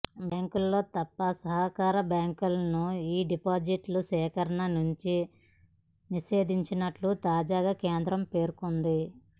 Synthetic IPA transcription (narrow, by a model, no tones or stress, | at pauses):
bjaːŋkulːo̞ːt̪ɐpːɐsɐɦɐkaːɾɐbjaːŋkulɐnuiːɖipaːd͡ʒiʈlusɛːkɐɾɐnɐnuɲt͡ʃi | niʃe̞ːd̪iɲt͡ʃinɐʈlut̪aːd͡ʒaːɡaːke̞ːnd̪ɾɐmpe̞ːɾukond̪i